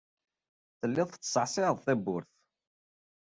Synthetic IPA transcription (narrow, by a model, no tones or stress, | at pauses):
θəlːɪðˤθt͡sːə̥sˤʕsɪðˤθæbːʊɾθ